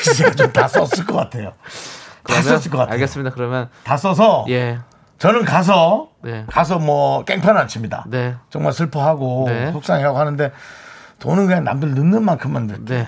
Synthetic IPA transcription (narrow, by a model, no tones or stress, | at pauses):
kisʰeɡat͡ɕomtas͈ʌs͈ɯɭk͈ʌk͈atʰe̞jo | kɯtam͈ʌs͈ɯk͈ʌkaaɡes͈ɯmɲidakɯɾʌmjʌntas͈ʌs̬ʰʌje | t͡ɕʌnɯnkas̬ʰʌnekas̬ʰʌmwʌk͈eŋpʰjʌnant͡ɕʰɯmɲida̰net͡ɕʌŋmaɭsʰɯɭpʰoɦaɡonesʰok̚s͈aŋiɦaɡohanɯnde̞ | tonɯnɡɯaŋna̰mdɯɭnɯnːɯnmankʰɯmandɯɭk͈e